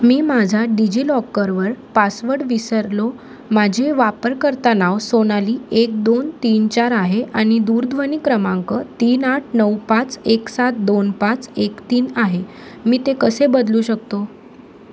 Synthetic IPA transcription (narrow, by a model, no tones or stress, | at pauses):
miːmad͡ʑʱaɖid͡ʑiːlɔkːəɾʋəɾpasʋəɽʋisəɾlo | mad͡ʑʱeʋapəɾkəɾt̪anaʋsoñaliːek̚d̪ont̪iːnt͡ɕaɾaɦeʔaɽ̃id̪uːɾd̪ʱʋənikɾəmãŋkət̪iːnaʈʰnəwpat͡seksat̪̚d̪onpat͡sekt̪iːnaɦe | miːt̪ekəsebəd̪luːɕək̚t̪o